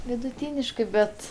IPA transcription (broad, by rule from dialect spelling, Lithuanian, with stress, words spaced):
ʋʲɪdʊˈtʲiːnʲɪʃkɜ ˈbʲɛt